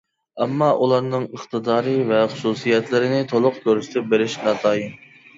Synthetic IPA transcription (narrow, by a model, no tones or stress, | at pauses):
ɛmːɑʔulˠɑɾnɨŋəχt̪ɨd̪ɑːɾɨvɛχʊ̥susijɛt̪lɪɾɪnɪt̪ʰolˠʊq̚kʲøɾɪʃt̪ʰɛbeɾɪʃnɑːt̪ʰɑːjim